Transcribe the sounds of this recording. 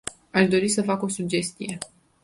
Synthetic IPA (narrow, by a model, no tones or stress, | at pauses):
aʃd̪o̞ɾisəfako̞sud͡ʒe̞st̪ije̞